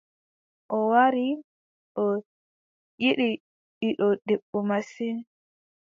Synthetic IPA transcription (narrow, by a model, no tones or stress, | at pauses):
ʔɔwaɾi | ʔɔ | jiɗi | ɓiɗɔdɛɓːɔmasin